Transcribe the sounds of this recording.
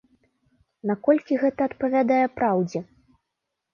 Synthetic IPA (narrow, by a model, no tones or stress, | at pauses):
nakɔlʲkʲiɣɛt̪ɐːt̪pɐvʲad̪ajɛpɾawd͡zʲɛ